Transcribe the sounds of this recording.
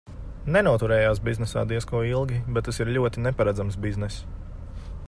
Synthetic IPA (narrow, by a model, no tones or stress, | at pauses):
nɛnuɔt̪uɾɛːjaːsbiznɛsa̰ːd̪iɛskuɔilˠɡʲibɛt̪̚ːasiɾʎʲuɔt̪inɛpaɾad̪zamsbiznɛs